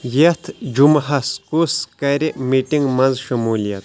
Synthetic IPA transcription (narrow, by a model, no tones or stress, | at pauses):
jet̪ʰd͡ʒumɦɐskuskɐɾiʔmiʈiŋɡmɐnzʃɐmulijɐt̪